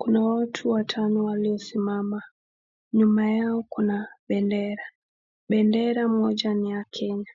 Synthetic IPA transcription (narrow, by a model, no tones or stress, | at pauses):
kunawatʰuwatʰanɔwaliɔsimama | ɲumajaɔkunaɓɛndɛɾa | ɓɛndɛɾam̩ɔd͡ʒaniakʰɛɲa